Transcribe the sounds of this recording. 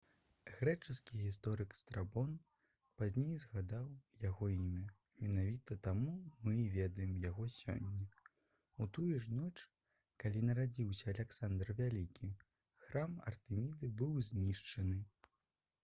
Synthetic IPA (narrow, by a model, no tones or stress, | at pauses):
ɣɾɛt͡ʂɨskʲiɣʲis̬t̪ɔɾɨkst̪ɾabɔn | pazʲnʲejzɣad̪awjaɣɔimʲɐ | mʲɛnavʲit̪ɐt̪amumɨivʲɛd̪ɐjɛmjaɣɔsʲɔ̰nʲːɛ | ut̪ujuʐnɔt͡ʂ | kalʲinɐɾad͡zʲiwsʲɐːlʲɛksand̪rvʲalʲikʲi | xɾamɐ̰rt̪ɨmʲid̪ɨbɨwzʲnʲiʂt͡ʂɐnɨ